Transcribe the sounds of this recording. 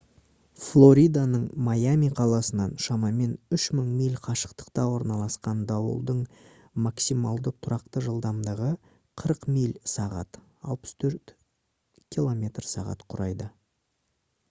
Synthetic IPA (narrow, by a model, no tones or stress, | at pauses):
flˠo̞ɾʲijd̪anəɴmajamʲijqʰɑlˠɑsənɑnʃɑmɑme̞nʏʃməɴmijlʲqʰɑʃə̥qt̪ə̥qt̪ɑwo̞ɾnɑlˠɑsqɑnd̪ɑwə̰lˠd̪əɴ | maksimɑlˠd̪ət̪ʰʊɾɑqt̪əʒəlˠd̪ɑmd̪ɑʁə | qʰəɾəqmijlsɑʁɑ̰t̪ | ɑ̰lˠpə̥st̪ʰɵɾt̪ | kʲʰilˠo̞mʲe̞t̪rsɑʁɑ̰t̪qʰʊɾɑjd̪ə